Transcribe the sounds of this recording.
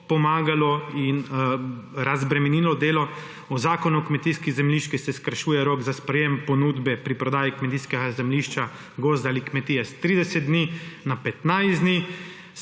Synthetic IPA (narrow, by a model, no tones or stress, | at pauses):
pɔmaːɡalɔin | ɾazbɾɛmɛniːlɔd̪eːlɔ | ɔzaːkɔnuɔkmɛt̪iːskizɛmliːʃt͡ʃkisɛskəɾʃuːjɛɾoːɡzaspɾɛjempɔnuːd̪bɛpɾipɾɔd̪aːjikmɛt̪iːskɛɡazɛmliːʃt͡ʃa | ɡoːzd̪aːlikmɛt̪iːjɛst̪ɾiːd̪ɛsɛd̪̚d̪ninapɛt̪najzd̪ni